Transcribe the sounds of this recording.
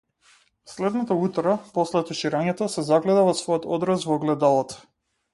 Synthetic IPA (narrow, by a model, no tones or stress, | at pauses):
slɛd̪nat̪aut̪ɾapɔslɛt̪ɔʃiɾaɲɛt̪ɔsɛzaɡlɛd̪avɔsvɔjɔt̪ɔd̪ɾasvɔɡlɛd̪alˠɔt̪